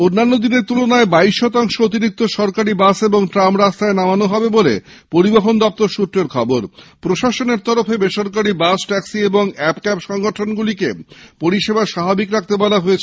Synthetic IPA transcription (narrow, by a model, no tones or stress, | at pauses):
onːanːod̪ineɾt̪ulonaebaiʃːɔt̪aŋʃoot̪iɾik̚t̪oʃɔɾkaɾibaseboŋʈɾamɾast̪aenamanoɦɔbebolḛ | poɾibeɦond̪ɔp̚t̪oɾʃut̪ːɾeɾkʰɔboɾpɾoʃaʃoneɾt̪ɔɾofebeʃoɾkaɾibasʈɛksieboŋɛpkɛpʃɔŋɡoʈʰonɡulikepoɾiʃebaʃababikɾak̚t̪ebɔlaɦoet͡ɕʰ